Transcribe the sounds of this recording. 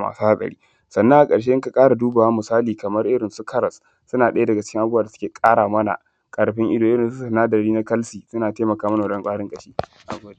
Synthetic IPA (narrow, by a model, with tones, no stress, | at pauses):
ma̰ː˨su˦ha˦sʼɐ̰˨ɽḭː˦ | sɐ˨nːɐ˦ŋʔa˨kʼɐ˨ʃ̬e˦ʔɪ˦ŋka˨kʼaː˦ɽa˨duː˦ba˨wa˦mʊ˨saː˦liː˨kɐ˨mɐ˦rʔɪ˦ɽɪ˨nsu˦kʰɐ˦ɾɐ˨sː | ʊ˦naː˨ɗɐ˦ja˦dɐ˨ɡa˨t͡ʃɪ̥˦kʲɪ˦ŋʔa˨bu˦a˨da˨sʊ˦eː˨kʼaː˦ɽaː˨mɐ˦na̰˨ | kʼɐ˨ɽɸɪ˦ŋʔɪ˦doː˨ʔɪ˦ɾɪ˨nsu˦sa˨naː˦dɐ˨ɽiː˦na˦kɐ˦lsiː˨sʊ˦naː˨teː˦mɐ˨kaː˦mɐ˦na˨˦ɗɐ˦ŋkʷʼaː˦ɽɪ˦ŋkʼɐ˦˨ʃiː˦ | ʔa̰˨ɡʷoː˦de˦